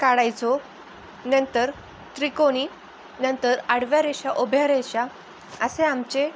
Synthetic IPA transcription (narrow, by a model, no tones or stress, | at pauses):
kaɽajt͡so | nənt̪əɾ | t̪ɾikoñi | nənt̪əɾaɽ̤ʋjaɾeɕaʔobʱjaɾeɕa | əseamt͡ɕe